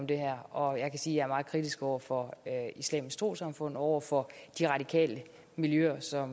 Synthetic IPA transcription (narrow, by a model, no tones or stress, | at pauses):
md̥e̝ɦæɐ̰ɒ̽jɑ̈ɪkʰæsiːjɑ̈æɐmɑ̈ːð̩ˠkʰʁid̥isɡ̥ɒʊ̰ɐfɒ̽islɛ̰ːmisɡ̥d̥ʁo̝̰ːsɑ̈mfɔ̽n̰ɒʊ̰ɐfɒ̽d̥iʁɑ̈d̥ikʰɛ̰ːlə | miljøɐsɒ̽m